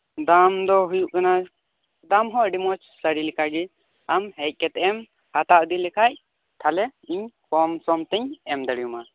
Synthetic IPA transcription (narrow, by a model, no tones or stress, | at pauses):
d̪amd̪ɔɦujuʔkana | d̪amɦɔ̃ɖimɔt͡ʃsaɽilikʰaɡi | amɦɛc̚ˀkɛt̪ɛm | hat̪aʔd̪ilɛkʰac̚ | t̪ʰalɛiɲkɔmsɔmt̪ɛɲɛmd̪əɽijuma